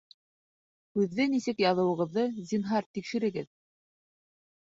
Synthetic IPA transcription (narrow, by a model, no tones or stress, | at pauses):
hʉðːɘnisɘkjɑðɤ̆wɤ̆ʁɤ̆ðːɤzʲinɦɑɾt̪ikʃɘ̆ɾɘ̆ɡɘð